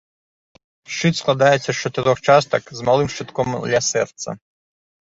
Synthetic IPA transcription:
ʃt͡ʃit̪sklˠad̪ajɛsʲːɐt͡ʃɔt̪ɪɾɔxt͡ʃast̪ɐkzmalˠimʃt͡ʃɪt̪kɔmd̪lʲɐsɛrt̪sɐ̰

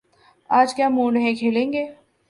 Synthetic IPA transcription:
aːd͡ʒkjaːmũːnɦẽkʰeːlẽːŋɡeː

